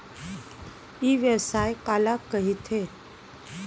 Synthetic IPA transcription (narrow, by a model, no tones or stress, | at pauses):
iʋjəsaːjkaːlakəɦit̪ʰe